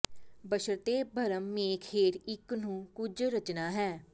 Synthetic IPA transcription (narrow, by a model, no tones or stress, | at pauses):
bəʃəɾt̪eːbʱəɾəmːeːkʰheːɾɪknũːkʊd͡ʒɾət͡ʃnaːɦɛː